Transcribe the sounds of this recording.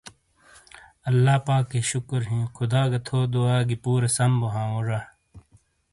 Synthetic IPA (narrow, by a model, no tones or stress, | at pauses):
ɐlːaːpaːkːeɕʊkɾɦĩːkʰʊd̪aːɡɐt̪ʰoːd̪uaːɡipuːɾɐsɐmboɦãːoːɾa